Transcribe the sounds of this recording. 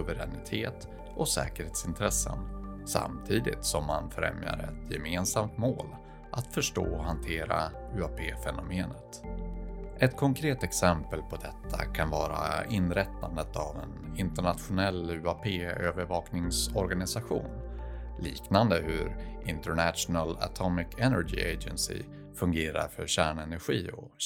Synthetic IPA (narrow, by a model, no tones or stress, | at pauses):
sɵvəɾɛnɪt̪ʰeːt̪ | ɔsɛ̰ːkəɾheːt̪sɪnt̪ʰɾɛsːə̰nsa̰mt̪ʰiːd̪ɪ̰t̪sɔmːanfɾɛ̰mja̰ɾɛt̪ʰjɛmeːnsamt̪moːl | ʔat̪fœʂʈo̰ːɔɦant̪ʰeːɾa | ʉːapʰeːfɛnʊmeːnət̪ | ʔɛt̪kʰɔŋkʰɾeːt̪ɛksɛmpəlpʰɔd̪ɛt̪ʰːakʰanvɑːɾaɪnːɾɛt̪ʰːand̪ət̪avɛnɪnt̪əɳat̪ɧʊnɛlːʉapʰeːøːvəɾvɑːknɪŋsɔɾɡanɪsaɧṵːnliːknand̪əhɵɾʔɪnt̪əɾɳæt̪ʂʊnəla̰t̪ʰɔmɪkʰɛnæɾɡḭːed͡ʒɛnsɪ̰ | fɵŋɡeːɾa̰ɾfœɾɕæːɳɛnæɾɧiːɔ̰